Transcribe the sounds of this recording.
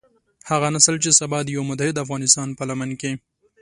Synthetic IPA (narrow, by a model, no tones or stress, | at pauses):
haɣanasəlt͡ʃesabɑd̪əjawmʊt̪ahɪd̪afɣɑnɪst̪ɑnpəlamanke